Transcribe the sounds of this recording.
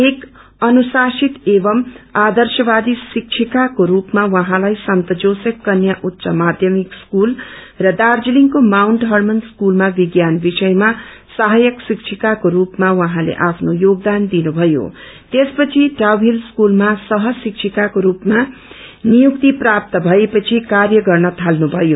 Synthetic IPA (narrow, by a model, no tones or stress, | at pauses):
ek | ʌnusasit̪ebʌmad̪ʌrsʌbad̪isik̚t͡ʃʰikakoɾupmawʌɦãlajsʌnt̪ʌd͡zosʌkːʌnjaʔut̪ːsʌmad̪ʱjʌmikskul | rʌd̪ard͡ziliŋkomawnʈɦʌrmʌnskulmabiɡjanbisʌjma | saɦajʌksik̚t͡ʃʰikakoɾupmawʌɦãlḛʔapʰnojoɡ̚d̪and̪inubʱʌjo̰ | t̪espʌt͡sʰiʈrawbʱilskulmasʌɦʌsik̚t͡sʰikakoɾupmanijukt̪iprap̚t̪ʌbʱʌepʌt͡sʰikarjʌɡʌrnʌt̪ʰalnubʱʌjo